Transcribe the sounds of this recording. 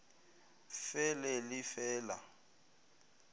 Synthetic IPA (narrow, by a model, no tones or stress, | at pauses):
fɛlɛlɪfɛːla̰